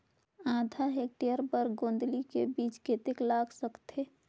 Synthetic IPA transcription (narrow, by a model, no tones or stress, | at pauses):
ãːd̪ʱaɦek̚ʈeəɾpəɾɡõːnd̪likebiːt͡ʃket̪eklaːksəkt̪e